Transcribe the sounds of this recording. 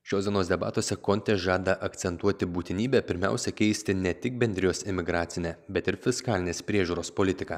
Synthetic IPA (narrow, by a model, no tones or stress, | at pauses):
ʃʲoːsd̪ʲiɛnoːsd̪ʲɛbɑ̰ːt̪oːsʲɛkɔnʲt̪ʲɛʒɑːd̪ɐʔɐkt̪sʲɛnt̪uɔt̪ʲɪbuːt̪ʲɪnʲiːbʲɛpʲɪɾʲmʲæ̰ˑʊsʲɛkʲɛɪsʲt̪ʲɪnʲɛt̪ʲɪk̚bʲɛnʲd̪ʲɾʲɪjoːsɪmʲɪɡɾɑːt̪sʲɪnʲæːbʲɛt̪ɪɾfʲɪskɑːlʲɪnʲeːspʲɾʲiɛʒʲuːɾoːspolʲɪt̪ʲɪkɑː